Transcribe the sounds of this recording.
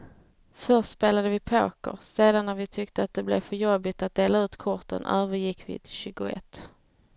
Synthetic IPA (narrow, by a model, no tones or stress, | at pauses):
fœɾʂtspeːlad̪əvɪpʰo̰ːkə̰ɾseːd̪anːæɾvɪt̪ʰʏkt̪əat̪̚d̪ɛblɛvfœɾjɔbːɪt̪at̪̚d̪eːlaʉ̟ːt̪kʰʊɾt̪ə̰nʔœːvəɾjɪkːvɪ̰t̪ʰɪ̥lɕʉ̟ːɡʊɛ̰t̪ː